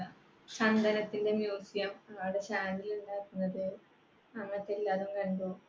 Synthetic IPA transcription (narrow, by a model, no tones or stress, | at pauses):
t͡ɕɐnd̪ʱɐnɐt̪ːinde̞mjuːsjɐmɐɐɽeɕaːniluɳɖaːkːunːɐðɨ | ɐŋːɐt̪ːelːaːðumkɐɻɳɖoː